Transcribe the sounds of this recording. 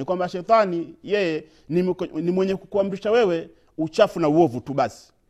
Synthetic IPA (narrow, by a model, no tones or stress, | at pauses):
nikwambaʃɛt̪anijɛjɛ | ninimwɛɲɛkukuambiʃawɛwɛ | ut͡ʃafunauɔvutuɓasi̥